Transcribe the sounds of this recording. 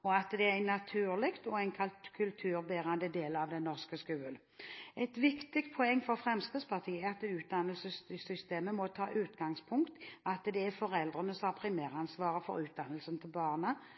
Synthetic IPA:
ɔɑt̪d̪ɛæɪnːɑt̪ʰʉːʁlɪkt̪ɔæɪnkʰɑlt̪kʰʉlt̪ʰʉːʁbæːʁɑnd̪əd̪eːləɑʋd̪ɛnnɔʁskəskʉːəl | ɛɪt̪ʋɪkt̪ɪkt̪̚pʰɔɛŋːfɔʁfʁɛmskəspʰɑʁt̪ʰiːəɑt̪ʉːt̪̚d̪ɑnːəlsəsʏst̪eːməmɔt̪ʰɑːʔʉːt̪ɡɑŋspʰʊŋkt̪ɑt̪d̪ɛæfɔʁɛld̪ʁənəsɔmhɑʁpʰʁɪmæːʁɑnsʋɑːʁəfɔ̰ɾʉːt̪̚d̪ɑnəlsənt̪ʰɪlbɑːʁnə

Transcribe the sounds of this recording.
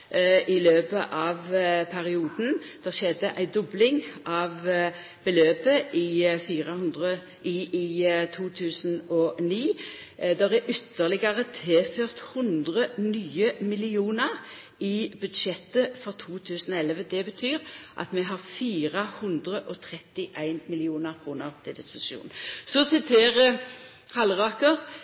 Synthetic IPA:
ɪløːpəʔɑʋpʰæʁɪuːd̪n̩d̪̥æʃɛd̪əʔæɪd̪ɔblɪŋʔɑʋ | b̥əløːpəʔɪfiːʁəhʉnd̪ʁə | ʔɪ | t̪ʰuːt̪ʰʉːsnɔniː | d̪æʁæʔʏt̪ːəʁlɪɡəʁət̪ʰeːføːʁt̪hʉnd̪ʁənyːəmɪlɪuːnəʁ | ɪbʉd̪ʃɛt̪ːəfɔʁt̪ʰuːt̪ʰʉːsənɔɛlʋəd̪ɛbət̪ʰyːʁʔɑ̰t̪mɛɦɑʁfiːʁəhʉnd̪ʁəʔɔt̪ʰʁɛt̪ːɪʔæɪnmɪlɪuːnəʁkʰʁuːnəʁt̪ʰɪld̪ɪspʊsɪ̥ʃṵːnsɔsɪt̪ʰeːʁə | hɑlʁɑːkəʁ

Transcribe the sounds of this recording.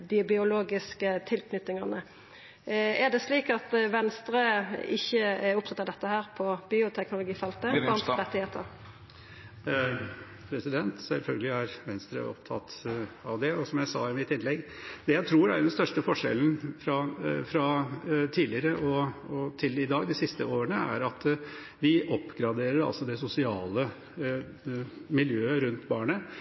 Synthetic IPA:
d̪ɪbɪʊloːɡɪskət̪ʰɪlknʏt̪nɪŋɑnə | ɛd̪ɛsliːkɑt̪ʋɛnst̪ɾəɪçːəʊp̚t̪ʰɑt̪ːɑd̪ɛt̪ːəhæːɾpʰɔbiːʊt̪ʰɛknʊlʊɡiːfɑlt̪əʋɑnɾʁɛt̪ːɪheːt̪əɾ | pʰɾɛsɪd̪ɛnt̪sɛ̰lfœlɡəlɪæɾʋɛnst̪ɾə̰ʔɔ̰pt̪ʰɑt̪ɑʋd̪ɛɔsɔmjæɪsɑːɪmɪt̪ːɪnlɛɡd̪ɛjæɪt̪ʰɾuːɾæ̰ɖɛnst̪œʂʈəfɔʂɛ̰ln̩fɾɑfɾɑt̪ʰiːlɪəɾəʔɔɔt̪ʰɪlɪd̪ɑːɡd̪ɪsɪst̪ə̰oːɾəɳəæ̰ɾɑt̪ | ʋɪʔɔpːɡɾɑd̪eːɾəɾɑ̰lsɔd̪ɛsʊsɪɑːlə | mɪljøːəɾʉnt̪bɑːɳə

